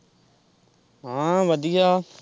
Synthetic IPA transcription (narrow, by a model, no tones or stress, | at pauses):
ɦãːʋəd̪ijaː